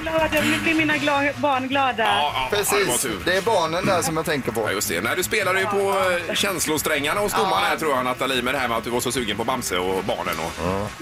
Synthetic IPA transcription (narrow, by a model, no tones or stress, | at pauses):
ɡlɑːd̪mɪkːəmiːnaɡlɑːbɑːɳɡlɑːd̪apʰɾɛsiːvt̪ʰʉːɾd̪ɛːbɑːɳənd̪æʂɔmjat̪ʰɛŋkəɾpʰɔ̰jɵ̰st̪d̪ɛ̰næɪd̪ɵspeːlad̪ɛjɵpʰɔɕɛnslʊst̪ɾɛŋːaɳahʊsd̪ʊmːanæt̪ʰɾuːɾjhanat̪ːaliːmɛd̪ɛhæːɾmɛat̪̚d̪ɵvaɾʂɔsʉ̟ːɡənpɔbamsəɔbɑ̰ːɳə̰nɔ̰